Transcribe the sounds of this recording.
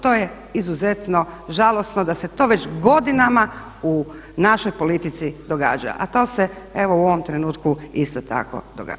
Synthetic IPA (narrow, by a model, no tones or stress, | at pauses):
t̪o̞ːje | izuze̞t̪no̞ʒalo̞sno̞d̪ase̞t̪o̞ʋet͡ʃɡo̞d̪inama | u | naʃojpo̞lit̪it̪sid̪o̞ɡa̰ːd͡ʒa̰ʔa̰t̪o̞ːse | eʋo̞uo̞ʋomt̪ɾe̞nuːt̪kuist̪ot̪a̰ko̞̰d̪oɡa̰ːd͡ʒa